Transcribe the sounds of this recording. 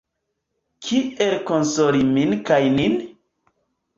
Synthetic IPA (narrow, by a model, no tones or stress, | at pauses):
kʰielkonsoɾiminkajnin